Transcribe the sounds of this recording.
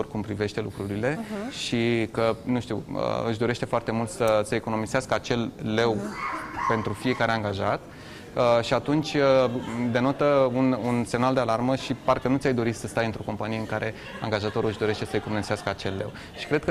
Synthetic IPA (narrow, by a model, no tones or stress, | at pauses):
orkumpɾive̞ʃt̪e̞lṵkɾuɾile̞ʃikənuʃt̪iuwə̰ɨʃ̬d̪o̞ɾe̞ʃt̪e̞foart̪e̞mult̪səsəeko̞no̞mizeaskəat͡ʃe̞lːe̞wpe̞nt̪ɾufije̞kaɾe̞aŋɡaʒat̪ | əʃiat̪unt͡ʃʲəd̪e̞not̪əununse̞mnald̪e̞alarməʃiparkənut̪ʲajd̪o̞ɾit̪səst̪ajɨnt̪ɾo̞ko̞mpanijeɨŋkaɾʔe̞ | a̰ŋɡaʒat̪o̞ɾuɨʃd̪o̞ɾe̞ʃt̪e̞səeko̞nomizeaskəat͡ʃe̞lːe̞w | ʃi̥kɾe̞d̪̚kə